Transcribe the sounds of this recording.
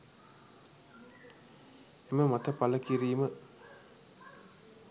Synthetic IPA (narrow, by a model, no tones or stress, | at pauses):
eməmat̪əpaləkiɾiːmə